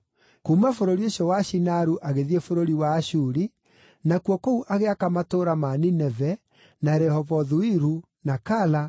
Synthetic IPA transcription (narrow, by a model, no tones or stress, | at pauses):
kumafoɾoɾioɕɔwaɕinaɾuʔaɣeðiefoɾoɾiwaːɕuɾi | nakwɔkouʔaɣeakamatoɾamaninɛvɛ | naɾɛhɔvɔðuiɾu | nakala